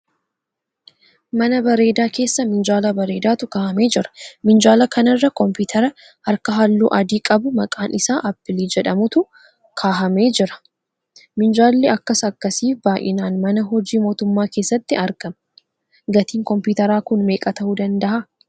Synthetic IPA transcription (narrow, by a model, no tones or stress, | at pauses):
mɐnɐbɐɾe̞ːd̪aːke̞ːsːɐmɪnd͡ʒaːlɐbɐɾe̞ːd̪aːt̪ʊkaːhɐme̞ːd͡ʒɪɾɐ̥mɪnd͡ʒaːlɐkɐnɐrːɐkɔmpɪːt̪ʰɐɾɐ | hɐɾkɐɦɐlːuːʔɐd̪iːkʼɐbʊmɐkʼaːnɪsaːʔɐpːɪliːd͡ʒɛᶑɐmʊt̪ʊ | kʰaːɦɐme̞ːd͡ʒɪɾɐ̥ | mɪnd͡ʒaːlːɛɐkːɐsɐkːɐsiːfbaːʔɪ̰naːnmɐnɐɦɔd͡ʒiːmo̞ːt̪ʊmːaːke̞ːsːɐt̪ːɪɐɾkɐmɐ | ɡɐt̪iːŋkɔmpuːt̪ɐɾaːkʊnme̞ːkʼɐt̪ɐʔud̪ɐnd̪ɐʔa